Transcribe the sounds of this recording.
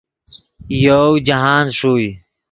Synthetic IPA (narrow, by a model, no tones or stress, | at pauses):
jowd͡ʑaɦaːnʂuːj